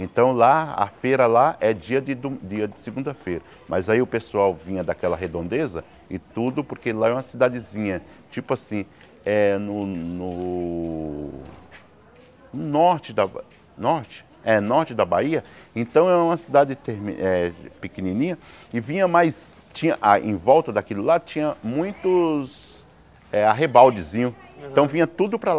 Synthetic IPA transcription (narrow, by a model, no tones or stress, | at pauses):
ẽnt̪ɐ̃w̃laa̰fejɾɐlaʔɛd͡ʒiɐd̪ɪd̪ud͡ʒiɐd͡ʒ̪ɪsɪɡũnd̪ɐfejɾɐ | mʔɐzaiʊpesuawvĩɲɐd̪akɛlɐɦed̪õnd̪ezɐ | ɪt̪ud̪ʊpoɾkelaɛũmɐsid̪ad͡ʒ̪ɪzĩɲɐ | t͡ʃipʊasĩ | ɛnʊnʊ | nʊnɔɾt͡ʃɪd̪ɐ | nɔɾt͡ʃɪ̥ | ɛnɔɾt͡ʃɪd̪ɐbaiɐẽnt̪ɐ̃w̃ɛɾɐũmɐsid̪ad͡ʒɪt̪eɾmḭɛpekenĩnĩɲɐɪvĩɲɐmajs | t͡ʃĩɲɐʔaʔḛ̃j̃vɔwt̪ɐd̪akilʊlat͡ʃĩɲɐmũj̃t̪ʊs | ɛaɦebawd͡ʒɪzĩɲʊẽnt̪ɐ̃w̃vĩɲɐt̪ud̪ʊpɾɐl